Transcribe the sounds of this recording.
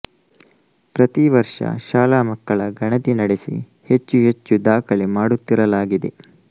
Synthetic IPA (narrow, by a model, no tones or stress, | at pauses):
pɾɐt̪iʋɐɾʂɐ̰ʃaːlaːmɐkːɐɭɐɡɐɳɐt̪inɐɽesḭ | he̞t͡ʃːuɦe̞t͡ʃːud̪aːkʰɐɭimaːɽut̪ːiɾɐlaːɡid̪ḛ